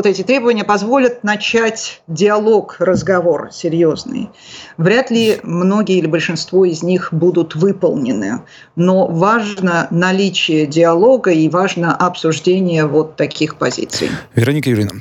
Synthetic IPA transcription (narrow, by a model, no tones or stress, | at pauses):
vot̪ɛtʲɪt̪ɾʲe̞bəvənʲɪjəpɐzvo̞lʲət̪̚nɐt͡ɕætʲdʲɪɐlˠo̞krəzɡɐvo̞rsʲɪɾʲjo̞znɨ̰j | vɾʲat̪lʲɪmno̞ɡʲɪjəɪlʲɪbəlʲʂɨnst̪vo̞ɪzʲnʲixbud̪ʊt̪vɨpə̰lˠnʲɪnɨ̰ | no̞vaʐnənɐlʲit͡ɕɪjədʲɪɐlˠo̞ɡəivaʐnəʔɐpsʊʐdʲenʲɪjəvo̞t̪ːɐkʲixpɐzʲḭt̪sɨ̰jvʲɪɾɐnʲikəjʊɾʲinə